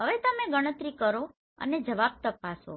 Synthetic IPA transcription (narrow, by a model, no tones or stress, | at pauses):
ɦəʋet̪əmẽɡəɽ̃ət̪ɾikəɾo | ə̰ned͡ʒəʋab̚t̪əpaso̰